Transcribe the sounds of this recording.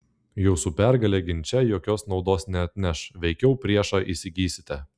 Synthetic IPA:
juːsupʲæˑɾɡɐlʲeːɡʲɪnʲt͡ʃʲɛjoːkʲoːsnɒʊd̪oːsnʲɛɐt̪ʲnʲɛʃʋʲɛɪkʲɛʊpʲɾʲiɛʃɑːʔisʲɪɡʲiːsʲɪ̥t̪ʲɛ

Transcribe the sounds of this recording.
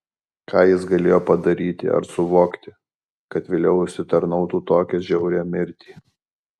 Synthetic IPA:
kʰɑːjɪs̬ɡɐlʲeːjoːpɐd̪ɐɾʲiːt̪ʲɪ̰ɐ̰ɾsʊʋoːkt̪ʲɪ | kɐt̪ʋʲeːlʲɛʊʊʃʲsʲɪt̪ɐɾnɒʊt̪uːt̪oːkʲɛʒʲɛʊɾʲɛmʲɪɾʲt̪ʲiː

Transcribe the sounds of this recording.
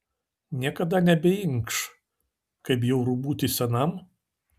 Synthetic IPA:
nʲiɛkɐd̪ɐnʲɛbʲɛɪŋkʃ | kɐɪpjɛʊɾubuːt̪ʲɪsʲɛnɐm

